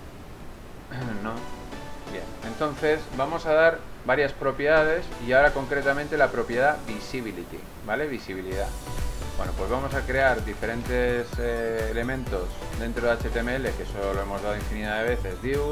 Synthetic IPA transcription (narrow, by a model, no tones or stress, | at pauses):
nõbje̞̰nent̪o̞nθe̞szbamo̞saðaɾbaɾjaspɾo̞pjeðaðe̞siaoɾako̞ŋkɾe̞t̪amẽnt̪e̞lapɾo̞pje̞ðaβisiβilit̪ḭ | bale̞βisiβ̞iliðabwe̞no̞pwe̞zβamo̞sakɾe̞aɾðife̞ɾẽ̞nt̪e̞seːle̞mẽ̞nt̪o̞zd̪e̞nt̪ɾo̞ðeat͡ʃe̞t̪emeele̞kesoolo̞e̞mo̞zðaðo̞iɱfiniðaðe̞βe̞θe̞zðiu